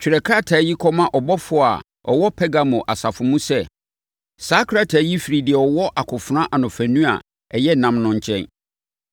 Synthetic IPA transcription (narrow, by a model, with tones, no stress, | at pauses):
t͡ɕʰᶣi˨ɾɛ˨kʰa˦˨tʰa˨˦ji˦kʰɔ˦mã˦ʔɔ˨bɔ˦fʊ˦˨a̰˨ | ɔ̰˨wɔ˦pʰɛ˦ɡa˦mʊ̃˨ʔa˨sa˨fʊ̃˨mũ˦sɛ˦ | sa˦kʰɾa˦tʰaː˨˦ji˦fi˨ɾi˨dɪ˨ɛ˨ɔ˨wɔ˦ʔa˨kʰʊ˨fʊ˨ɾã˦ʔa˨nʊ̃˨fæ̃˨nũ˦a̰˨ | ɛ˨jɛ˦nã˨˦mnʊ̃˦ɲ̩˦t͡ɕʰɛ̰̃˦n